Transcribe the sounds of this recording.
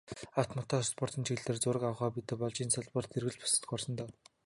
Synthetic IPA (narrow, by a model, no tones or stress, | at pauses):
aw̥t̪mɔt̪ʰaːspɔr̥t̪ĭnt͡ɕʰiɣɮeːrt͡sʊːɾə̆kawχaːpit̪ɘ̆pɔɮt͡ɕiːnsaɮpə̆rt̪erɣɘ̆ɮpʊ̥sə̥̆t̪̆xɔrsɞ̆nt̪aː